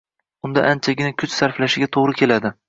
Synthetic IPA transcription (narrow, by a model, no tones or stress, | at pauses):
ʊnd̪a̰ʔant͡ʃʰaɡʲɪnakʲʰʊt͡ʃsaɾflaʃɪɡʲat̪ʰoʁɾɪkʲʰe̞lad̪ɪ